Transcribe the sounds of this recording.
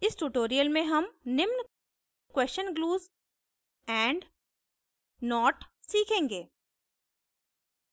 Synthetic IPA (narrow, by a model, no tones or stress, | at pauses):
ɪsʈuːʈoːɾijəlmẽɦɐmnɪmn | kwɛːsʃənɡluːz | ɛ̃ːɳɖ | nɔːʈsiːkʰẽːŋɡeː